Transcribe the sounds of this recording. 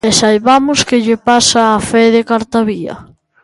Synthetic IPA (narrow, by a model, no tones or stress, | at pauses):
ɛsalβamʊskɪʎepasaːfɛðekaɾt̪aβiɐ̰